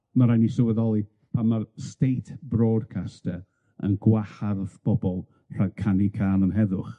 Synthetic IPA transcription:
maɾajnisəwəðɔlˠi | pʰamarstejtʰb̥rɔːdkʰastɛ | ə̰nɡwaharðb̥ɔbɔlˠ | r̥akʰanikʰaːnənɦɛðʊχ

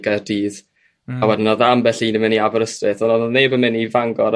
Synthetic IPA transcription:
ɡardiːð | awɛdɪnɔðambɛɬinəmɪniavɔɾəstrɪθɔnɔðneːbəmɪnivaŋɡɔɾ

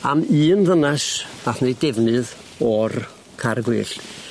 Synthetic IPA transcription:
a̰miːnðənasv̥aθnedɛvnɨð | ɔr | kʰarɡwɪːɬt

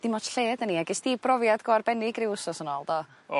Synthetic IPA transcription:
d̥imɔtɬeːdəniaɡɛsd̥ibrɔvjadɡoarbɛnɪɡrɪwʊsɔsənɔlˠdɔ

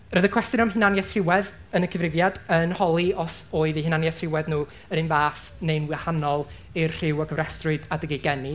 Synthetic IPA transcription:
rəðəkʰw̥ɛstjʊnɔmhɪnanjɛθrɪwɛð | ənəkʰəvrɪvjadənhɔlˠiɔsoːɨðihɪnanjɛθrɪwɛðnuː | əɾɨnvaːθ | nejnwɪhanɔlˠ | irr̥ɪwɔɡʰəvrɛstrʊɨdadəɡeɡɛni

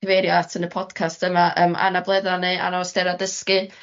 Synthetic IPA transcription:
əveɾjatʰənəpʰɔd̥kʰastəmaʔəːma̰nablˠɛðanea̰naɔsd̥ɛɾadəskɨ

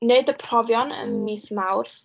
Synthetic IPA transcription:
neɨdəpʰrɔvjɔnə̰nmiːsmawrθ

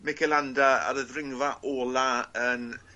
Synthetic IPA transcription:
mɛkʰɛlandaa̰ɾəðrɪŋvaʔoːlˠaən

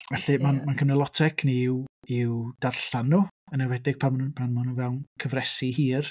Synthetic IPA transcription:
vɛɬɨmanmankʰəmnɛlˠɔtʰɛɡʰniwɪwd̥arɬanːuənɛwɛdɪɡ̥̚pʰampʰanmanunvɛwnkʰəvrɛsihiːr

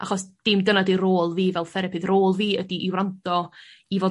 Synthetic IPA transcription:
ʔaχɔsd̥ɪmdənadiɾoːlˠviːvɛlˠfɛɾɛpʰɨðroːlˠviːədiʔiwrantɔivoː

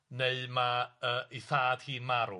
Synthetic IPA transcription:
neɨmaəːʔiθaːd̥hiːnmaɾu

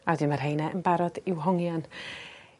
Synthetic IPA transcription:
adɪnmarɦejnɛʔənbaɾɔd̥ɪwɦɔŋjan

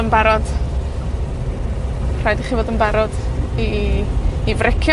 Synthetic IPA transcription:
ənbaɾɔd̥ | r̥ajdiχiːvoːdənbaɾɔd̥iː | vrɪkʰj

